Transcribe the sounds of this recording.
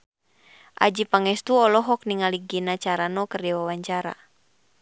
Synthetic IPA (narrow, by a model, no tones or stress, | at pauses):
ʔa̰d͡ʒipaŋɛst̪uɔlɔɦɔk̚niŋaliɡinat͡ʃaɾanɔkərdɛwawaɲt͡ʃaɾa̰